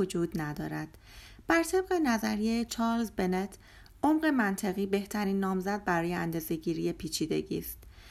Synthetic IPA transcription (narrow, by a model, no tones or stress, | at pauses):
od͡ʒuːd̪næd̪ɒ̰ːɾæd̪̥ | b̥æɾt̪ʰe̞bɢe̞næzæɾijet͡ʃʰɒːɾlzbe̞net̪ʰ | ʔomɢe̞mænt̪ʰeɣiːbe̞ht̪ʰæɾiːnːɒːmzæd̪̚bæɾɒːjeænd̪ɒːze̞ɟiːɾiːje̞pʰiːt͡ʃʰiːd̪e̞̰ɟḭːst̪